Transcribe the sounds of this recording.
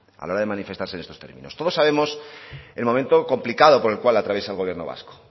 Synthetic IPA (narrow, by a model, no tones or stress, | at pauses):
a̰laoɾaðe̞manifest̪aɾsenest̪ost̪e̞̰ɾmḭ̃no̞st̪o̞ð̞o̞sːaβ̞e̞mo̞se̞lmo̞ment̪o̞ko̞mplikaðo̞po̞ɾelkwalat̪ɾaβje̞saelɣ̞oje̞ɾno̞βa̰sko̥